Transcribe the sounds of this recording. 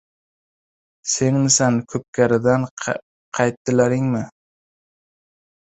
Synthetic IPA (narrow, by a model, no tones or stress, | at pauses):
se̞ŋmɪsankʲʰɵp̚kʲʰaɾɪd̪an | qʰɑjt̪ːɪlaɾɪŋmɪ